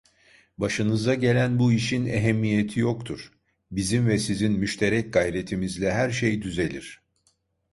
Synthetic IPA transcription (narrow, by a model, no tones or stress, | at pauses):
baʃɯnɯzd̪aɟe̞lʲænbuiʃineɦɛmːije̞t̪ʰijo̞kt̪ʰuɾ̥ | bizimvɛsizinmyʃt̪ʰe̞ɾɛc̚ɡajɾe̞t̪ʰimizlʲɛɦæɾʃejd̪yze̞lʲiɾ̥